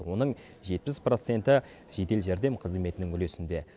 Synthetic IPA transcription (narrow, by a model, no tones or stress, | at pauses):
wo̞nəɴ | ʒe̞t̪̚pɪspro̞t̪se̞nt̪ɪ | ʒ̥e̞t̪e̞lʒæɾd̪e̞mqʰəzme̞t̪ɪnɪŋʏle̞sɪnd̪e̞